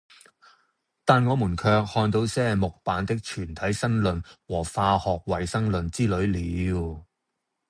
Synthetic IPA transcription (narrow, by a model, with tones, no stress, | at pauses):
t̪aː˨nŋɔː˨˧muː˨˩nkʰœː˧k̚hɔː˧nt̪o˨˧˥wsɛː˥mʊ˨k̚paː˨˥nt̪ɪ˥k̚t͡ʃʰyː˨˩nt̪ʰɐ˨˥jsɐ˥ŋlɵ˨nwɔː˨˩faː˧hɔː˨k̚wɐ˨jsɐ˥ŋlɵ˨nt͡siː˥lɵ˨˥ɥliː˨˧˨w